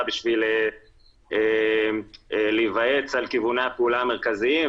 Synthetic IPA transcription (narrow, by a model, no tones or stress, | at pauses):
biʃvile | e | livae̞t͡salkivuneapeulaame̞ʁkaziim